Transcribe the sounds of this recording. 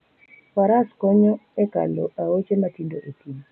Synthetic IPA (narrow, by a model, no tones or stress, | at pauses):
faɾaskɔɲɔɛka̰lɔ̰ʔaot͡ʃematindoʔotini